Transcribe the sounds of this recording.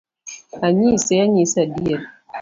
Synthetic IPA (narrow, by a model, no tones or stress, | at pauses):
aɲisɛaɲisadiel